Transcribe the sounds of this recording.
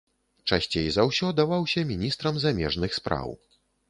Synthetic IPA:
t͡ʂasʲt͡sʲejzɐwsʲɔd̪avawsʲɐmʲinʲist̪ɾɐmzamʲɛʐnɨxspɾa̰w

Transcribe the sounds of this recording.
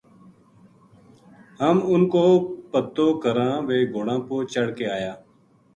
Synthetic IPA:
ɦəmʊnkoːpət̪ːoːkʰəɾãːʋeːɡʱoːɽãːpoːt͡ʃəɽ̤keːaːjaː

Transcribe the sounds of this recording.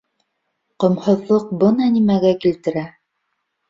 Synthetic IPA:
qŏmhɤ̆ðlˠɤq̚bɤnɑnimæɡækilt̪ɘ̆ɾæ

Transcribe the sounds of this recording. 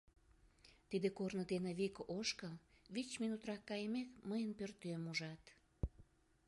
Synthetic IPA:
t̪id̪ekornəd̪eneβikoʃkəlβit͡ɕminut̪rɑkːɑjəmekməjənpørt̪ømuʒɑt̪

